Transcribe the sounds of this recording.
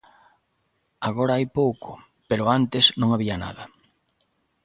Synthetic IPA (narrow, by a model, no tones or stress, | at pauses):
aɣoɾaajpowkʊ | peɾʊant̪ɪsnõŋaβiana̰ðɐ